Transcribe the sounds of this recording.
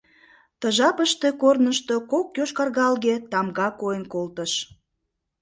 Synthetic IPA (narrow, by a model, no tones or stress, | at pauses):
t̪əʒɑpəʃt̪e̽kornəʃt̪okokjoʃkɑrɣɑlɣet̪ɑmɣɑkojənkolt̪əʃ